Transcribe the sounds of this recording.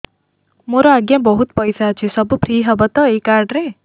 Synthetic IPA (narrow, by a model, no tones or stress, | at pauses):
moɾoaɡjãbʌɦut̪̚pʌjsat͡ʃʰisʌbupʰɾiɦʌbʌt̪ʌekaɾɖɾe